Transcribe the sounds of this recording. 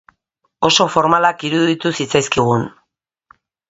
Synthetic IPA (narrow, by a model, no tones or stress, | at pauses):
o̞so̞fo̞ɾmalakiɾuðit̪usit͡sajskiɣ̞un